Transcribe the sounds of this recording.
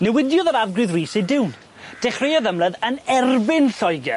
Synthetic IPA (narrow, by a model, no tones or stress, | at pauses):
nɛwɪdjɔðəɾavɡrɨðriːsejdɪwn | d̥ɛχrejɔðəmləðənɛrbɪnɬɔjɡɛ